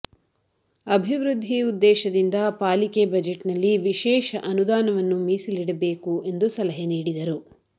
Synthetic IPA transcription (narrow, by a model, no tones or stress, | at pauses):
ɐbʱiʋɾud̪ʱːiud̪ːɛːʃɐd̪ind̪ɐpaːlikebɐd͡ʒeʈnɐlːiʋiʃɛːʃɐʔɐnud̪aːnɐʋɐnːumiːsiliɽɐbe̞ːkue̞nd̪usɐlɐɦeniːɽid̪ɐɾu